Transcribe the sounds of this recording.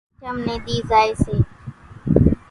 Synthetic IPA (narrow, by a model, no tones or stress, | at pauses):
t͡ʃəmnẽːɗ̪iːzaːeːseː